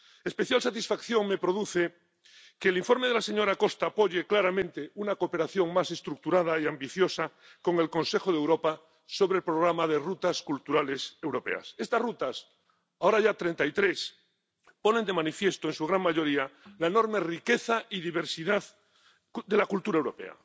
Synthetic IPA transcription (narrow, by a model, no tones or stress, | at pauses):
espe̞θjalsat̪isfakθjo̞ŋme̞pɾo̞ðuθe̞ | ke̞ːlĩɱfo̞ɾme̞ð̞elase̞ɲo̞ɾako̞st̪aːpo̞ʝeklaɾamẽ̞nt̪e̞unakope̞ɾaθjo̞ŋmase̞st̪ɾuk̚t̪uɾað̞aiambiθjo̞sa | ko̞ŋe̞lkõ̞nse̞xoðewɾo̞pa | so̞βɾelpɾo̞ɣ̞ɾamaðe̞rut̪askult̪uɾale̞se̞wɾo̞pe̞̰a̰se̞st̪asrut̪as | aoɾaʝat̪ɾe̞nt̪ait̪ɾe̞s | po̞nend̪e̞manifje̞st̪oensuɣ̞ɾaŋmaʝo̞ɾialaeno̞ɾme̞rike̞θaiðiβe̞ɾsiðað | d̪e̞lakult̪uɾaewɾo̞pe̞̰a̰